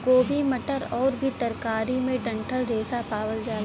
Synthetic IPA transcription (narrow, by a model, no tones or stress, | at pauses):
ɡoːbʱimɐʈəɾɔːɾbʱit̪ɐɾkaːɾimẽɖɐ̃ɳʈʰəlɾeːsapaːwəld͡ʒaː